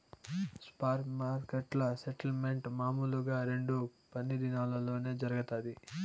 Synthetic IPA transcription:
spaːɾmaːɾkeʈlɐseʈɐlme̞ɳʈmaːmuːluɡaːɾe̞ɳɖupɐnːid̪inaːlɐlo̞ːne̞ːd͡ʒɐɾɐɡɐt̪aːd̪i

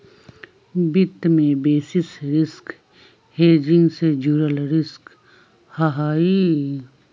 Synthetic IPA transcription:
bɪt̪mẽbeːsɪsɾɪsk | heːd͡ʒɪ̃ŋɡsed͡ʒuːɾəlɾɪsk | hɐɦaːi

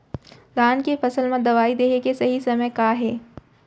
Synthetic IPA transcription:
laːnkefɐsəlmãd̪ɐʋaːid̪eːɦekesɐɦisɐməjkaːɦɛː

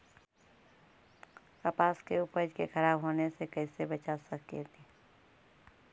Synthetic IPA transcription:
kəpaːskeʊpəd͡ʒkexʰɐɾaːbɦoːnesekɐɪsebət͡ʃasəkjet̪i

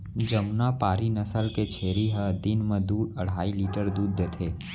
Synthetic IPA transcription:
d͡ʒəmnapaːɾinəsəlket͡ʃʰeːɾiɦəd̪ɪnmẽd̪uːd̪əɽ̤aːiliːʈəɾd̪uːd̪ːet̪ʰeː

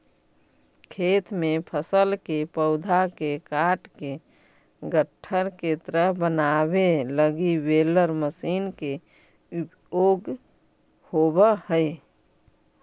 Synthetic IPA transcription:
kʰeːt̪mẽpʰəsəlkepəʊd̪ʱakekaːʈke | ɡəʈʰːəɾket̪əɾəɦbənabeləɡiweləɾməsiːnke | up | joːɡ | hobəhəɪ

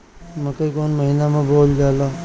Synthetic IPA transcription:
mɐ̃kəikoːnməɦiːnamãboːld͡ʒaːla

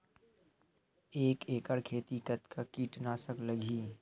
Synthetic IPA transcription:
eːkeːkəɽkʰeːt̪ikɐt̪kʰakiːʈnaːsəklɐɡʱiː

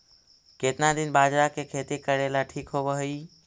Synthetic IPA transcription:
ket̪nad̪ɪnbad͡ʒɾakekʰet̪ikəɾelaʈʰiːkɦoʋəɦəi

